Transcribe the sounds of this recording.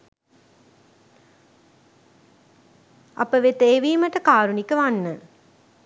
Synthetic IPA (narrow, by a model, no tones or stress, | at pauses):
ɐ̰pəʋet̪eːʋiːməʈəkaːɾunikəʋanːə